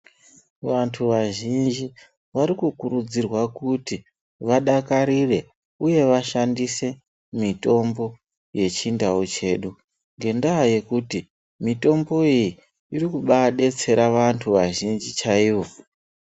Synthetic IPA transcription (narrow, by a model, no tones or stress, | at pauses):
ʋantʰuʋaʒind͡ʒi | ʋaɾikukurud͡zirwakuti | ʋaɗakaɾire̞ | uje̞ʋaʃandise̞ | mito̞mbo̞ | je̞t͡ʃindaot͡ʃe̞ːɗu | ŋɡe̞ndaɦaje̞kuti | mito̞mbo̞iji | irikuɓaɗe̞t͡se̞ɾaʋantʰuʋaʒind͡ʒit͡ʃaiʋo̞